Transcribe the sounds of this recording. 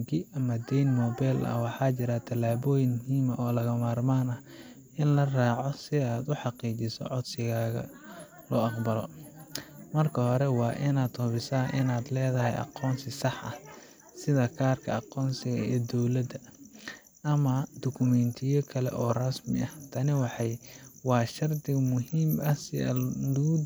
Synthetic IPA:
ŋkʰɪʔɐmɐd̪ɛjnmɔːbɛːlʔɐ̰wɑħɑːt͡ʃɪɾat̪ʰɐlaːβɔːjɪŋmɦiːmɐʔɔːlɐɣɐmaːrmaːnɐ | ʔɪnlɐraːʕɔsɪaːd̪ʊħɑqiːt͡ʃɪsɔ̰ʕɔd̪sɪɣaːɣɐ̰ | lɔːɑqbɐlɔ | mɐrkʰɐhɔɾɛwɑːʔɪnaːd̪hʊβɪsaːʔɪnaːd̪lɛːðɐɦɛjʔɑ̰qɔːnsɪsɑħʔɐ | sɪðɐkʰaːrkʰɐɑqɔːnsɪɣɐɛːd̪ɔwlɐd̪ɐ | ʔɐmɐd̪ɔkʰʊmɛnt̪ʰɪjɔkʰɐlɛ̰ʔɔːrɐsmɪʔɐht̪ʰɐnɪwɑħɑjwɑːʃɐrd̪ɪmʊɦiːmɐsɪɐ̰lud

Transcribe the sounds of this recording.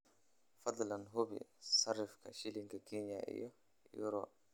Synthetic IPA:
fad̪ˤlanɦobḭsarːifkaʃiliŋkakʰiɲaʔḭjɔ | jṵɾɔ

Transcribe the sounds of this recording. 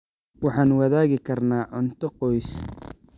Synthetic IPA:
wɑħɑːnwɑðaːɣɪkʰɐrnaːʕʊnt̪ʰɔqɔjs

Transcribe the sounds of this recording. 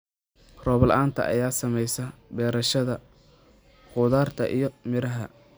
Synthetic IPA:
rɔːβɐlaːnt̪ʰɐ̰ʔɐ̰jaːsɐmɛjsɐbɛːɾɐʃɐðɐ | χʊðaːrt̪ʰɐʔḭjɞmɪɾɐɦɐ̰

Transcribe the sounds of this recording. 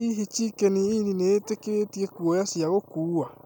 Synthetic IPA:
iɦit͡ʃikeniinineetekeɾetiekuɔjasiaɣokuːa

